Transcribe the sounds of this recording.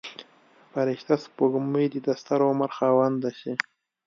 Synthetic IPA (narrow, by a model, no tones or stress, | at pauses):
paɾɪʃt̪aspoɡməjd̪id̪ast̪aɾomaɾxɑwand̪aɕi